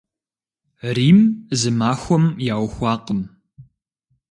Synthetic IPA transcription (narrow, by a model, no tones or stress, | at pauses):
riːmzɨmaːxʷɔmjaːwxʷɑːqəm